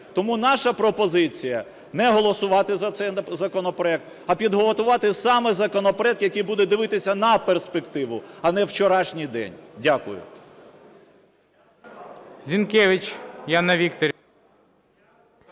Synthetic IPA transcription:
t̪ɔmunɑʃɐpɾɔpɔzɪt͡sʲijɐ | nɛɦɔlˠɔsʊʋɑt̪ɪzɐt̪sɛj̪zɐkɔnɔpɾɔɛk̚t̪ | ɐpʲid̪ɦɔlˠɔt̪ʊʋɑt̪ɪsɑmɛzɐkɔnɔpɐɾɛd̪̚kjɐkijbud̪ɛd̪ɪʋɪt̪ɪsʲɐnɐperspekt̪ɪʋʊ̰ɐnɛwt͡ʃɔɾɑʃnʲijd̪ɛ̰nʲdʲakʊ̰jʊ̰ | zʲinkɛʋɪt͡ʃjanɐʋʲikt̪ɔɾʲ

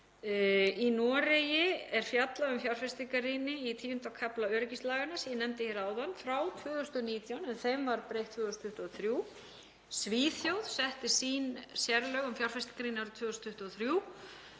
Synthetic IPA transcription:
inɔːɾejɪɛɾ̥fjat̪laʏmfjawr̥fɛst̪ikaɾiːnɪit̪ʰiːʏnt̪awkʰaplaœːɾɪcist̪laːɣanasinɛmt̪ɪçɛɾaːwðanːfɾawt̪ʰvʏːɣʏst̪ɔniːt̪jawnɛnθejmvaɾpɾejht̪ʰvʏːðʏst̪ʰʏht̪uɔθɾjuː | sviːθjowð̥sɛht̪ɪsiːnsjɛɾlœɣʏmfjawr̥fɛst̪i̥ŋkaɾinaɾʏt̪ʰvʏːðʏst̪ʰʏht̪ːɔθɾjuː

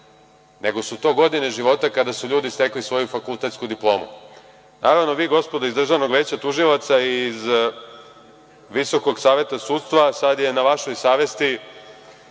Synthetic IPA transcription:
ne̞ɡo̞sut̪o̞ːɡo̞d̪ine̞ʒiʋo̞t̪akad̪asuʎuːd̪ist̪e̞klisʋo̞jufakulˠt̪e̞t̪skud̪iplˠo̞ːmṵ | naːɾaʋno̞ʋiːɡo̞spo̞d̪oizd̪r̩ʒaʋno̞ɡʋeːt͡ɕat̪uʒilat̪saiz | ʋiso̞ko̞ɡsaːʋje̞t̪asuːt̪st̪ʋasad̪je̞naʋaʃo̞jsaːʋe̞st̪i

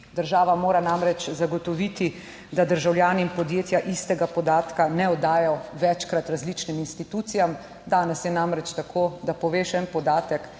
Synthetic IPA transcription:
d̪əɾʒaːʋamoːɾanamɾɛt͡ʃzaɡɔt̪ɔʋit̪i | d̪ad̪əɾʒawljaːniimpɔd̪jeːt̪jaʔist̪ɛɡapɔd̪aːt̪kanɛɔd̪aːjɔʋɛt͡ʃkɾat̪ɾazlit͡ʃniminst̪it̪uːt̪sijam | d̪aːnɛsjɛnamɾɛt͡ʃt̪akʰoːd̪apɔʋeːʃɛnpɔd̪aːt̪ɛk

